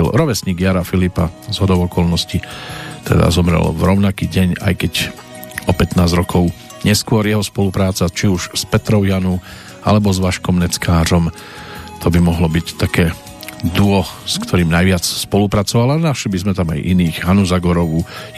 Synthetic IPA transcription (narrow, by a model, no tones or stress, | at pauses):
lɾɔʋɛsɲiɡjaɾafilipazɦɔd̪ɔʊɔkɔlnɔscit̪ɛ̰d̪a̰zɔmɾɛ̰lvɾɔʊnakiːɟɛɲa̰jkɛɟ | ɔpɛt̪naːzɾɔkʰɔʊ | ɲɛskʊɔɾjɛɦɔspɔlupɾaːt͡sat͡ʃiuʃspɛt̪ɾɔʊjanu | a̰lɛbɔzʋaʃkɔmnɛt͡skaːɾɔm | t̪ʰɔbimɔɦlɔbict̪akɛː | d̪uɔskt̪ʰɔɾiːmnajʋɪat͡sspɔlupɾat͡sɔʋalanaʃlibizmɛt̪ama̰jʔiniːɣɦanuzaɡɔɾɔʋu